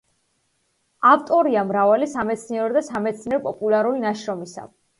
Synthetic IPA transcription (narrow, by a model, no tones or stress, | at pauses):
aft̪ʼɔɾiamɾavalisamɛt̪sʰniɛɾɔd̪asamɛt̪sʰniɛɾɔpʼɔpʼulaɾulinaʃɾɔmisa̰